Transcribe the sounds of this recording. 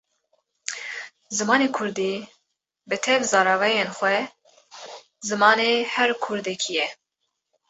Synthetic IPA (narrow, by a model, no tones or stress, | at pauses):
zɨmɑːneːkʰʊɾd̪iː | bɨt̪ʰɛvzɑːɾɑːvɛjenxwɛ | zɨmɑːneːhɛɾkʰʊɾd̪ɛkʰijɛ